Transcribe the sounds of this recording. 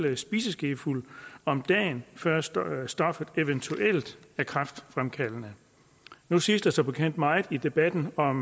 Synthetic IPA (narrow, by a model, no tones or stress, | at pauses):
ləsb̥iːsəsɡ̥e̝fulɒ̽md̥ɛ̰ːnfɶɐsd̥ɒ̽fəð̩ˠe̝ʋənt͡sʰuʔel̰d̥æɐkʰʁɑfd̥fʁamkʰælənə | nusisd̥esɒ̽b̥ekʰen̰d̥mɑ̈ɪð̩ˠid̥e̝b̥æd̥n̩ɒ̽m